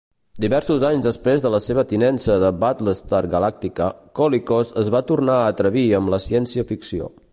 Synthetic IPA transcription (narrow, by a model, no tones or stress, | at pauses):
d̪iβɛɾsuzaɲzðəspɾezðələseβ̞ət̪inɛnsəðəbat̪ləst̪aɾɡəlak̚t̪ikəkɔlikozəzβat̪urnaəːt̪ɾəβiəmləsiɛnsiəfiksio̰